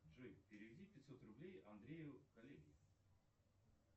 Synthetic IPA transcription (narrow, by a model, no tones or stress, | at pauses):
ʐɨpʲɪɾʲɪvʲɪdʲipʲɪt̪ʲsot̪rʊblʲejɐnd̪ɾʲejʊkɐlʲelʲɪjɪvʊ